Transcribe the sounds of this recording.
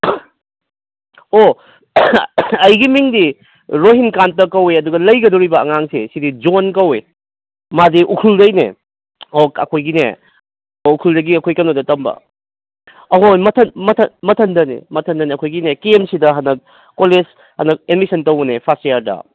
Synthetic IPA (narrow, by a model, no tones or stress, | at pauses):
o | ɐjɡimiŋdi | ɾoɦinkantɐkɐweɐduɡɐlɐjɡɐdoɾibɐɐ̰ŋaŋsḛsidid͡ʒonkɐwe | madiʔukʰuldɐjnḛ | okɐ̰kʰojɡinḛ | ukʰuldɐɡiɐkʰojkɐnodɐtɐmbɐ̰ | ɐojmɐtʰɐnmɐtʰɐmɐtʰɐndɐnḛmɐtʰɐndɐniɐkʰojɡinekiemsidɐɦɐnɐk̚ː | oles | hɐnɐk̚enmisɐntɐwɐnepʰastejaɾdɐ̰